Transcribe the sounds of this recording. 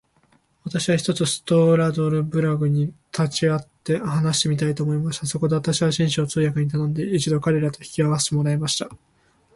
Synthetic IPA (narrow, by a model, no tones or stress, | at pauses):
βat̪aɕiβaçi̥t̪ot͡sɨsɨ̥t̪o̞ːɾad̪o̞ɾɯ̟bɯ̟ɾaɡɯ̟ɲ̟it̪ʰat͡ɕiat̪ːe̞hanaɕi̥t̪e̞mit̪ait̪o̞ːmo̞imaɕi̥t̪aso̞ko̞d̪e̞βat̪aɕiβaɕĩɰ̃ɕoːt͡sɨːjakɯ̟ɲ̟it̪anõ̞nd̪e̞it͡ɕid̪o̞kaɾe̞ɾat̪o̞çi̥kʲiaβase̥t̪e̞mo̞ɾaemaɕi̥t̪a